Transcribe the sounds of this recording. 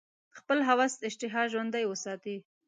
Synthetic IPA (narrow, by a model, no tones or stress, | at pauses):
xpəlɦawɑst̪ɪʃt̪ɪɦɑʒwand̪ajwəsɑt̪i